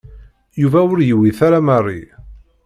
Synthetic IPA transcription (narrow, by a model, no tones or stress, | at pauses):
juvæʊɾjəwiθaɾamərˤːḭ